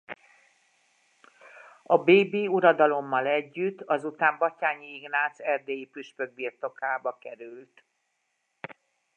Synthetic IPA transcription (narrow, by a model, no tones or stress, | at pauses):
ɒbeːbiːuɾɒd̪ɒlo̞mːɒlɛɟːyt̪ːɒzut̪aːmbɒcaːɲiiɡnaːt̪sɛrd̪eːjipyʃpø̞ɡ̚birt̪o̞kaːbɒkɛɾylt̪